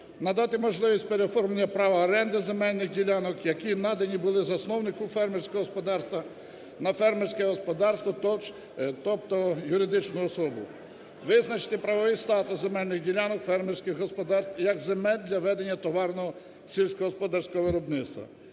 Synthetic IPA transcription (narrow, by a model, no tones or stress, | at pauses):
nɐd̪ɑt̪ɪmɔʒlˠɪʋʲisʲtʲpeɾeɔfɔrmɐnʲːɐpɾɑʋɐːɾɛnd̪ɪzemɛlʲnɪxdʲilʲɑnɔkjɐkinɑd̪ɐnʲibʊlˠɪzɐsnɔwnɪkʊfɛrmersʲkɔɦɔspɔd̪ɑrst̪ʋɐ | nɐfɛrmersʲkɛɦɔspɔd̪ɑrst̪ʋɐt̪ɔt͡ʃ | t̪ɔpt̪ɔjʊɾɪd̪ɪt͡ʃnʊɔsɔbʊ̰ | ʋɪznɐt͡ʃɪ̥t̪ɪpɾɐʋɔʋɪjst̪ɑt̪ʊszemɛlʲnɪxdʲilʲanɔkfɛrmerʲsʲkɪɣɦɔspɔd̪ɑrst̪jɐɡzemɛlʲd̪ʲlʲɐʋɛd̪enʲːɐt̪ɔʋɑrnɔɦɔ | sʲilʲsʲkɔɦɔspɔd̪ɑrsʲkɔɦɔʋɪɾɔbnɪt̪st̪ʋɐ̰